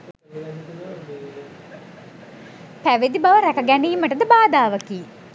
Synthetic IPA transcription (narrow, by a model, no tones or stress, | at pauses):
pæʋed̪ibaʋəɾækəɡæniːməʈəd̪əbaːd̪aːʋəkiː